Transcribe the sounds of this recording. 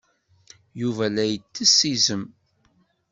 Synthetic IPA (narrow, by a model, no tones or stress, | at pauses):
juvælæjət͡sːəsːizəm